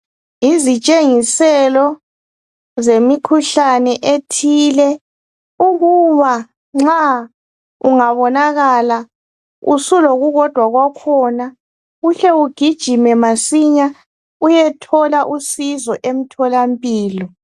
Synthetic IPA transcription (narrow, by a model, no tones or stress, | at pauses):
izit͡ʃʼeŋisɛlɔ | zemikʰuɬanɛʔetʰilɛ | uɣuβa | ŋ͡ǁa | ṵŋaβɔnaɣala | ṵsuloɣuɣɔd̥ʱwaɣwakʰɔna | uɬɛuɡ̥ʱid̥ʒ̥ʱimɛmasiɲa | ujɛtʰɔlaʔusizɔʔem̩tʰɔlampʼiːlɔ